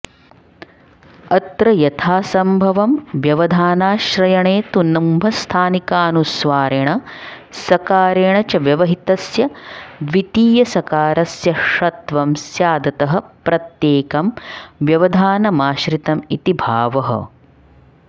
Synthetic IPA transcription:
ɐt̪ɾɐjɐt̪ʰaːsɐmbʱɐʋɐmʋjɐʋɐd̪ʱaːnaːʃɾɐjɐɳeːt̪unːɐmbʱɐst̪ʰaːnikaːnusʋaːɾeɳɐ | sɐkaːɾeːɳɐt͡ʃɐʋjɐʋɐɦit̪ɐsjɐʋit̪iːjɐsɐkaːɾɐsjɐʂɐt̪ʋɐmsjaːd̪ɐt̪ɐɦɐ̆pɾɐt̪jeːkɐmʋjɐʋɐd̪ʱaːnɐmaːʃɾit̪ɐmit̪ibʱaːʋɐɦɐ̰

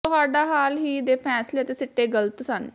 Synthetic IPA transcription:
t̪ʊɦaːɖaːɦaːlɦiːd̪eːpʰɛːsleːət̪eːsɪʈːeːɡələt̪sən

